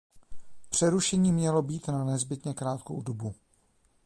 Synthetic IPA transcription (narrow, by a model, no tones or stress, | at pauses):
pr̝̥ɛɾuʃɛɲiːmɲɛlo̞biːt̪nanɛzbɪt̪ɲɛkɾaːt̪ko̰wdobu